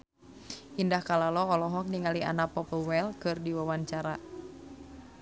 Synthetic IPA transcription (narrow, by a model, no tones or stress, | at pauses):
ʔindahkalalɔɔlɔɦɔk̚niŋalia̰napɔpəwɛlkɨrdiwawaɲt͡ʃaɾa